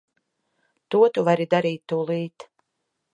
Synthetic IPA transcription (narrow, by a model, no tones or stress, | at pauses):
t̪uɔt̪uvaɾid̪aɾiːt̪ːulˠiːt̪